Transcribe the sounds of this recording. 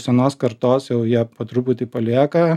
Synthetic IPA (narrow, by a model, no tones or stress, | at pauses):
sʲɛnoːskɐɾt̪oːsjɛʊjiɛpɐt̪ɾuːpʊt̪ʲɪpɐlʲiɛkɐ